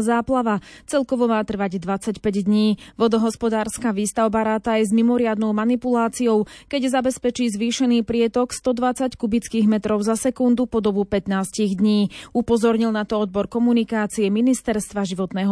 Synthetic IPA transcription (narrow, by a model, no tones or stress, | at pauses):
zaːplaʋat͡sɛlkɔʋɔmaːt̪r̩ʋaɟd̪ʋat͡sacpɛɟd̪ɲiːʋɔd̪ɔɦɔspɔd̪aːɾskaʋiːst̪aʊbaɾaːt̪ajɛzmimɔɾɪad̪nɔʊmanipulaːt͡siɔʊkɛɟzabɛspɛt͡ʃiːzʋiːʃɛniːpɾɪɛt̪ɔkst̪ɔd̪ʋat͡sackubit͡skiːɣmɛt̪ɾɔʊzasɛkund̪upɔd̪ɔbupɛt̪naːsciɣd̪ɲiːupɔzɔɾɲilnat̪ɔɔd̪̚bɔɾkɔmunikaːt͡siɛminist̪ɛɾst̪ʋaʒiʋɔt̪nɛːɦɔ